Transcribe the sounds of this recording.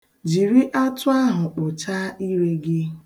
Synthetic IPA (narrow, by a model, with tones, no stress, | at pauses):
d͡ʒi˨ɾi˦ʔa˦tʊ˦a˦ɦʊ˨k͡pʊ˨t͡ʃa˦i˦ɾe˦ɡɪ˦